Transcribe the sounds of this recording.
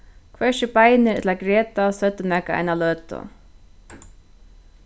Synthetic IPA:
kʰvɛʃɪpajnɪɾɛ̰t̪laɡɾɛːt̪asœt̪ːɪmɛkaa̰jnalœːt̪ʊ̰

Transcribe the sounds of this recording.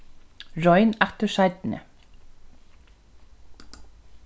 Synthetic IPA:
ɹɔʏnæt̪əʃæɾd̪n̩ə̰

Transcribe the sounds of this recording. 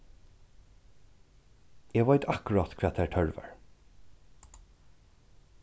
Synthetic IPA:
jɛʋaɪt̪ɑkʊɹɑt̪kʰvɛːt̪ʰætʰœɹvæ̰ɹ

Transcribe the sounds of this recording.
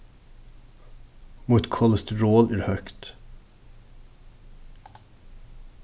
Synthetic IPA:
mʊt̪kʰɔləst̪əɹoːlæːɾhœkt̪

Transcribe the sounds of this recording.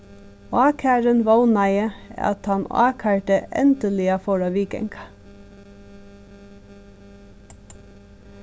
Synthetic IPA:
ɑːkʰæːɾənʋoʊnɑɪəɑ̰t̪hɑnɑ̰ːkʰæːʈəʔɛ̰nd̪əlɪɑfɔɹɑʋiːkɛ̰ŋkʰɑ̥

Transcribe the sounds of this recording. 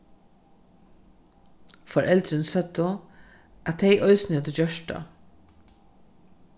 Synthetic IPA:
fɔɹʔɛld̪ɾənsɛt̪ʊ | ʔɑt̪heɪʔœʏsnət̪əd͡ʒœʃʈɑ̰

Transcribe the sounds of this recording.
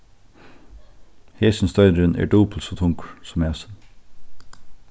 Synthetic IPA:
heːsn̩st̪œʏd̪əɾənʔæ̰ːɖuːpl̩soːt̪ʰʊŋksɔmæːsən

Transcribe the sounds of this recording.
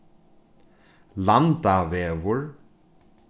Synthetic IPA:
lant̪aveːvʊɹ

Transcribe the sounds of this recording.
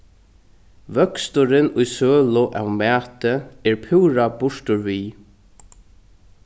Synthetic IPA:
vœkst̪ʊɾɪnʊjsøːlʊʔa̰wmæːt̪əɛɹpʰɪwɾabʊʂt̪ʊɹviː

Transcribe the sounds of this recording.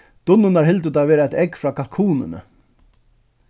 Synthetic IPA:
d̪̥ʊnːʊnaɹɦɪlt̪ət̪aʋeːɾaɛt̪ɛkfɾaːkʰalkʰuːnɪ̰nə̰

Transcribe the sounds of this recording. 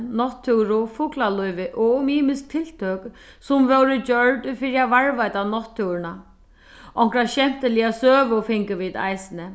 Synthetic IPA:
nɔht̪ʰːʏwɾʊfuːklalɔjvɪʔɔɣʊmiːmɪsk̚t̪ʰɪl̥t̪ʰøːk | sʊmvœwɾʏt͡ɕœɹt̪fɪɾɪavaɹvajt̪anɔht̪ʰːʏwɾɪna | ɔŋ̥kɾaɕɛm̥t̪ɪliːasøːvʊfɪŋkʏʋiːt̪a̰jsɪnɪ

